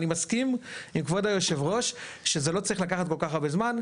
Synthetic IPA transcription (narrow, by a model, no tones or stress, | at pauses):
nimaskimimkvodajoʃe̞vʁo̞ʃʃezelo̞t͡saʁiχlakaχat̪ko̞lkaχabe̞zman